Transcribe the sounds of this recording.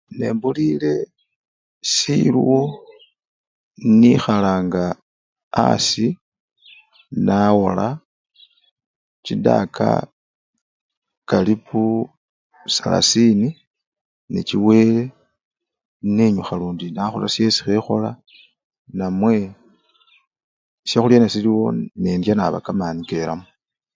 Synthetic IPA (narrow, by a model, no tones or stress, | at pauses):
ne̞̰ːmbulile̞ | siluwo | nixalaːŋɡa̰ː | si | nawo̞la | cida̰kʰa̰ | kalipʰu | sala̰sini | neciwe̞ːle̞ | neɲuxaluːndinaxolasje̞si̥xexo̞la | namwe̞ | sjaxuljanasiliwo̞̰neːndjanaβa̰kamaːnike̞ɾa̰mu